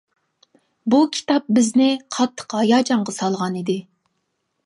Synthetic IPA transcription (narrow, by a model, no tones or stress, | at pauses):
bukʲʰi̥t̪ʰɑp̚bɪznɪqʰɑt̪ʰːə̥qɑjɑd͡ʒɑɴʁɑsɑlˠʁɑnid̪ɪ